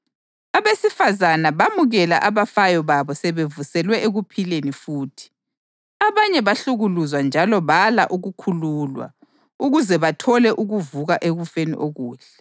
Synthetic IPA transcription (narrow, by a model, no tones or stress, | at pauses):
aβesifazanaβamuɣɛla̰ʔaβafajɔβaβɔsɛβevusɛlwɛʔeɣupʰilenifuːtʰi̥ | aβaɲɛβaɬuɣuluzwand͡ʒʱalɔβalaʔuɣukʰuluːlwa̰ | uɣuzɛβatʰɔlɛʔuɣuvuɣaʔeɣufenḭʔoɣuːɬɛ